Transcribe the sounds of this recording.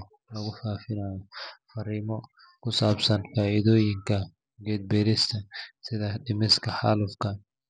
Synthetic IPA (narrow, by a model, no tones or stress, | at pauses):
lɐɣʊfaːfɪnaːjɔfɐɾiːmɔ | kʰʊsaːbsɐnfaːiðɔːjɪŋkʰɐ | ɡɛːd̪̚bɛɾɪst̪ʰɐsɪðɐɖɪmɪskʰɐħa̰lʊfkʰɐ